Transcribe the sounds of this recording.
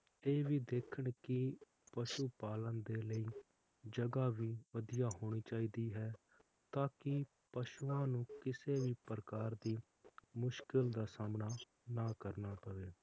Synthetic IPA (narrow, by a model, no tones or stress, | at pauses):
eːʋiːd̪eːkʰəɳkɪ | pəʃuːpaːlənd̪eːləiː | d͡ʒəɡaːʋiːʋəd̪ɪjaːɦoːɽ̃iːt͡ʃaːiːd̪iːɦɛː | t̪aːkɪ | pəʃuːãːnũːkɪseːʋiːpəɾəkaːɾd̪iː | mʊʃkɪld̪aːsaːmnaː | naːkəɾnaːpəʋeː